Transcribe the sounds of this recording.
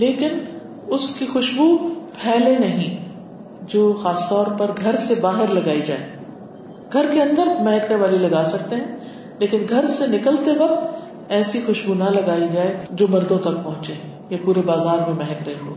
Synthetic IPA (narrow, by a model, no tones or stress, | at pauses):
leːkɪn | ʊskixʊʃbupʰɛːlenɐɦĩ | d͡ʒoːxaːst̪ɔːɾpɐɾɡʱɐɾsebaːɦɪɾlɐɡaːid͡ʒaːeː | ɡ̥ʱɐɾkeɐ̃nd̪əɾmɛɦɛkneʋaːlilɐɡaːsɐk̚t̪eɦɛ̃ | leːkɪnɡʱɐɾsenɪkəlt̪eʋɐk̚t̪ | ɛːsixʊʃbunãlɐɡaːid͡ʒaːed͡ʒoːmɐɾd̪õt̪ɐk̚pɐ̃ɦʊ̃t͡ʃeː | japuːɾebaːzaːɾmẽmɛɦɛkɾɐɦeɦo̰ː